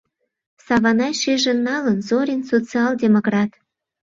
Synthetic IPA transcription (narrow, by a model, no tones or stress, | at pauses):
sɑβɑnɑjʃeʒenːɑlənzoɾʲinsot͡siɑldʲemokrɑt̪